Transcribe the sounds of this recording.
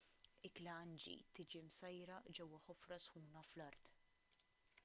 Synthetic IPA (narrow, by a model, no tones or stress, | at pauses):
ɪklɐɐnd͡ʒḭt̪ɪd͡ʒimsɐjɾɐd͡ʒɛwːɐħɔfɾɐsħuːnɐflɐɾt̪